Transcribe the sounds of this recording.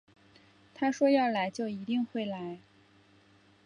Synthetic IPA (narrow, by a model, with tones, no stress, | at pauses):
t̪ʰa˥ʂwɔ˥jɑ˥˩ʊla˧˥ɪt͡ɕjo˥˩ʊi˧˥t̪i˥˧ŋxwe˥˩ɪla˧˥ɪ